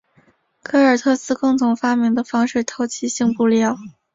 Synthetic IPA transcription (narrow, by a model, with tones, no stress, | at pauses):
kʰɤ˥ə˞˨˩t̪ʰɤ˥sɹ̩˥kʊ˥˩ŋt̪ʰʊ˧˥ŋfa˥mi˧˥ŋd̪ə˧fɑ˥ŋʂɻ̩˥˩t̪ʰo˧˥ʊt͡ɕʰi˧˥ɕi˥˧ŋpu˥˧ljɑ˥˩ʊ